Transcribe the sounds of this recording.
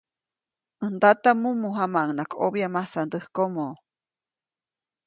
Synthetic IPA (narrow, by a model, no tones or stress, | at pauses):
ənd̪at̪amumuɦamaʔŋnakʰo̰bjamasand̪əhkomo